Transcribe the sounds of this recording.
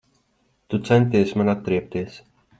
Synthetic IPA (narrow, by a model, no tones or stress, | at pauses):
t̪ut̪sɛnt̪̬iːɛsʲmanat̪̚kɾiɛp̚t̪iɛs